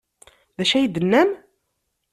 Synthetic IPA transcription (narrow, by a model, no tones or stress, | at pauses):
ðæʃæjd̪ənːæm